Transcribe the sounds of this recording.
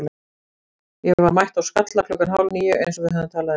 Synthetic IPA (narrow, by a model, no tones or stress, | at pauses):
l | jɛvaɾmajht̪awskat̪lakʰlʏkːanɦawlniːjʏʔḛjns̬ɔvɪðɦaðʏmt̪ʰaːlað